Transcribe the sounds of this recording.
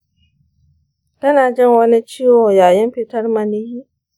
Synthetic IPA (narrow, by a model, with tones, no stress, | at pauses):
tɐ˦naː˨d͡ʒɪ˦˨ŋwɐ˦ni˦t͡ʃiː˦woː˨jaː˨jɪ˦mɸɪ˦tɐ˦rmɐ˨ni˦hiː˦